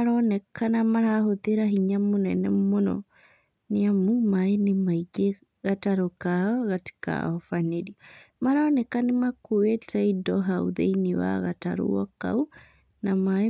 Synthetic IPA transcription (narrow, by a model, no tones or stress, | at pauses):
aɾɔnɛkanamaɾahoðeɾaɦiɲamonɛnɛmonɔ̰ | neamumaenemaiɡe | ɣataɾokaɔɣati̥ka̰ɔfaneɾiamaɾanɛkanemakowetaidɔɦaṵðḛiniwa̰ɣa̰ta̰ɾo̰ɔka̰u | namae